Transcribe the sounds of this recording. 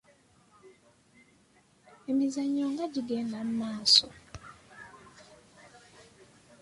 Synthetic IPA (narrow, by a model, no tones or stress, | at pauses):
emizaɲoŋɡaɟiɡeːndam̩maːso